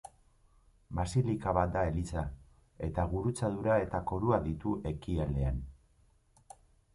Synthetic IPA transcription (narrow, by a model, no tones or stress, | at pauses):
basilikaβat̪̚d̪ae̞lit͡sa | e̞t̪aɣuɾut͡sað̞uɾae̞t̪ako̞ɾuaðit̪uʔe̞kiald̪e̞an